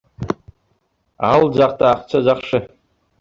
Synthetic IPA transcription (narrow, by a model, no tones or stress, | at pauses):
ald͡zaχtʼaːχt͡ʃʰad͡zaχʂɨ